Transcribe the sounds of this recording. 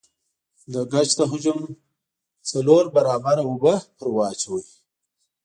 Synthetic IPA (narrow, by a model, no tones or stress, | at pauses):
d̪əɡat͡ʃt̪əɦʊd͡ʒʊm | t͡saloɾbaɾɑːbaɾaʊbəpəɾwɑːt͡ʃawi